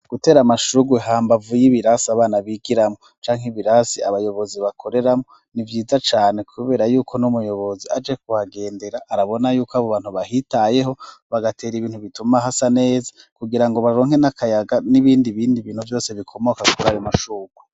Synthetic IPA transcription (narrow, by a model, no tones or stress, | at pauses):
ɡ̥ute̞ːɾamaʃuɡweɦaːmbavujiβiɾasiaβaːnaβiɡiɾamot͡ʃaːŋ̥iβiɾasiaβajo̞βo̞ziβakʰo̞ɾe̞ɾamŋo̞ | nivjiːzat͡ʃaːne̞kʰuβe̞ːɾajuːkʰo̞numujo̞βo̞ziad͡ʒe̞k̚uhaɡe̞ːnde̞ɾaʔːɾaβo̞najuːkaβoβaːn̥huβahitaje̞ɦo̞βaɡate̞ːɾiβiːn̥huβitumaɦasane̞ːzakuɡiɾaŋɡoβaɾo̞ːŋhe̞nakʰajaɡaniβiːndiβiːndiβiːn̥huvjo̞ːse̞βikʰo̞mo̞kakukuɾajomaʃuɡwe